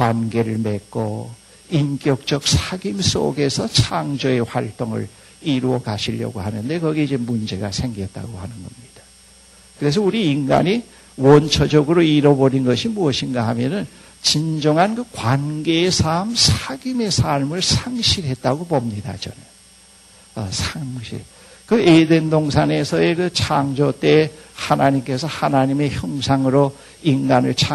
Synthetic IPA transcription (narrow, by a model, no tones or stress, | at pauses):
kwanɡe̞ɾɯɭme̞k̚k͈o | ink͈jʌk̚t͡ɕ͈ʌk̚sʰaɡims͈o̰ɡe̞sʰʌt͡ɕʰaŋd͡ʑoe̞ɸwaɭt͈oŋɯ̰ɭ | iɾuʌkaɕʰiʎːʌ̰ɡo̰hanɯnde̞kʌɡeid͡ʑemund͡ʑe̞ɡa̰sʰe̞ŋɡijʌt̚t͈a̰ɡo̰hanɯnɡʌmɲid̥a | kɯɾe̞s̬ʰʌuɾiːnɡa̰ɲi | wʌnt͡ɕʰʌd͡ʑʌɡɯɾoiɾʌboɾinɡʌɕʰimuʌɕʰinɡaɦamjʌnɯn | t͡ɕind͡ʑʌŋɦankɯkwanɡe̞ːsʰamsʰaɡime̞sʰaɭmɯɭsʰaŋɕʰiɾɦe̞t̚t͈aɡopomɲida̰t͡ɕʌ̰nɯn | ʌsʰaŋɕʰḭɭ | kɯedendoŋsʰaŋe̞sʰʌe̞kɯt͡ɕʰaŋd͡ʑot͈e̞hanaɲimk͈e̞sʰʌhanaɲime̞çjʌŋsʰaŋɯɾo | inɡanɯɭt͡ɕʰa